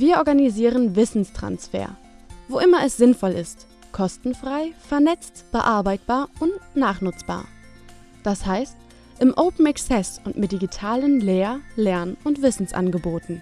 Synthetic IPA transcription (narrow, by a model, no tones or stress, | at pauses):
viːɐʔɔɐɡaniziːʁənvɪsn̩stʁ̥a̰nsfḛːɐ | voʔɪmɐɛsz̥ɪnfɔlɪst | kʰɔstn̩fʁ̥aɪfɛɐnɛt͡stb̥əʔaɐbaɪt̚b̥aːɐʊntnaːχnʊt͡sb̥a̰ːɐ | d̥ashaɪst | ʔɪmʔoʊpn̩ɛksɛsʊntmɪt̚d̥iɡitʰaːlənleːɐlɛɐnʔʊntv̥ɪsn̩sʔa̰nɡəboːtn̩